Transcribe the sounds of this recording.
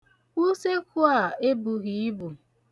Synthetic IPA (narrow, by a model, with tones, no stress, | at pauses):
u˦se˦ku˦a˦˨e˦bu˨ɣi˨i˦bu˨